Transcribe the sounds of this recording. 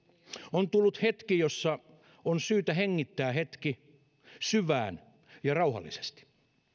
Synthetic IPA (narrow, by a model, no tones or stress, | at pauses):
ont̪ulːut̪het̪kijosːɑ | onsyːt̪æɦeŋːit̪ːæːɦet̪ki | syʋæ̰ːn | jɑrɑuɦɑ̰lːḭse̥st̪i̥